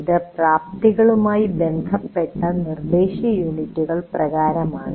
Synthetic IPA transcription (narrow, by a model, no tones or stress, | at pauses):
iðɨpraːp̚t̪iɣɐɭumaːjibend̪ʱɐpːe̞ʈːɐnird̪eːɕjɐjuːɳitːuɣɐɭprɐɣaːɾɐmaːɳɨ